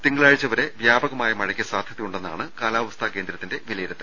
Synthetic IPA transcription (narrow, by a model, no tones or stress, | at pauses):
t̪iŋɡɐɭaːɻt͡ɕːɐʋɐɾe̞ʋjaːbɐɣɐmaːjɐmɐɻɐkʲːɐsaːd̪ʱjɐðɐjuɳɖenːa̰ːɳɨkaːlaːʋɐst̪ʰaːke̞ːnd̪ɾɐt̪ːinde̞ʋilɐjiɾɐt̪ːɨ